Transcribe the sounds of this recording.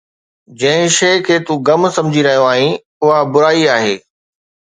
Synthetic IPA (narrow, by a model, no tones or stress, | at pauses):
d͡ʑɐ̃ɦɪ̃ʃɐːkʰeːt̪uɡɐmsɐ̃md͡ʑʱiɾɐɦijõaːɦĩ | ʊɦabʊɾaːiaːɦeː